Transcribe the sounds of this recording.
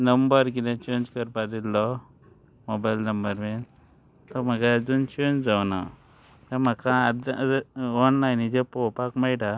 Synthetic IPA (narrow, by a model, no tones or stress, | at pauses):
nəmbəɾkid̪ẽt͡ɕend͡ʑkəɾpad̪ilːɔ | mobajlnəmbəɾmen | t̪ɔm̤aɡad͡zunt͡ɕend͡zawna̰ | t̪am̤akãd̪ | ɔnnajnid͡zepɔwpakmajʈa